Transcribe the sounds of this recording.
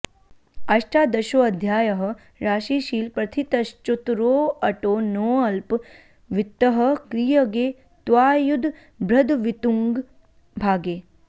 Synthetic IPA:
ɐʃʈaːd̪ɐʃoːɐd̪ʱjaːjɐɦ̆ | ɾaːʃiːʃiːlpɾɐt̪ʰit̪ɐst͡ʃut̪ɾoːɐʈoːnoːɐlp | ʋit̪ːəɦəkɾijəɡeː | t̪ʋaːjud̪ʱ | bɾɐd̪ʋit̪uŋɡ | bʱaːɡeː

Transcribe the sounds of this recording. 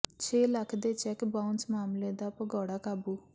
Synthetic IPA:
t͡ʃʰeːləkʰd̪eːt͡ʃɛkbaʊnsmaːmleːd̪aːpəɡɔːɽaːkaːbuː

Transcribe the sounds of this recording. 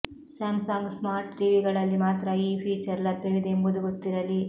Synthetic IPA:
sɐmsaːŋɡsmaːɾʈd͡ʒiːʋiɡɐɭɐlːimaːt̪ɾɐiːpʰiːt͡ʃɐɾlɐd̪eʋid̪embud̪uɡot̪ːiɾɐli

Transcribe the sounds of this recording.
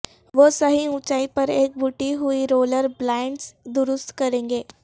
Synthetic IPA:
ʋosəɦiũt͡ɕaipəɾeːk̚bʱuʈiɦuiɾoːləɾblaɳɖsd̪uɾʊst̪kəɾẽŋɡeː

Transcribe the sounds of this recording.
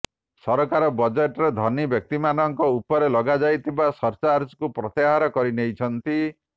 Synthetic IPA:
sɔɾɔkaɾɔbɔd͡ʒeʈɔɾed̪ʱɔnibjɔk̚t̪imanɔŋkɔupɔɾelɔɡad͡ʒajt̪ʰibasɔɾt͡ʃaɾskupɾɔt̪eɦaɾɔkɔɾinejt͡ʃʰɔnt̪i

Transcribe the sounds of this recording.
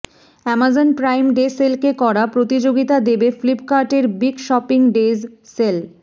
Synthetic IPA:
ɛmad͡ʑonpɾajmɖeselkekɔɾapɾot̪id͡ʑoɡit̪ad̪ebeflipkaɾʈeɾbiɡʃɔpiŋɖezsel

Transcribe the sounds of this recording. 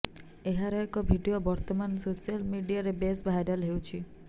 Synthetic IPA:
eɦaɾɔekɔbʱiɖiobɔɾt̪ɔmansosialmiɖiaɾebesbʱajɖalɦewt͡ʃʰi

